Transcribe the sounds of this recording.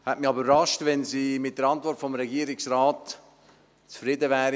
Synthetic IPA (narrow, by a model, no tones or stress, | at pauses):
hɛtmiybərɑʃtvɛnsiːmɪt̚d̥əɾɑntvɔɾtfɔmɾɛɡiːɾɪksɾaːt | t͡sfɾɪdəvɛːɾ